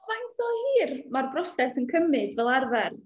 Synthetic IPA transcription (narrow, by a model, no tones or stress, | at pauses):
vanθɔiːrmarbrɔsɛsənkʰəmɨdvɛlˠarvɛr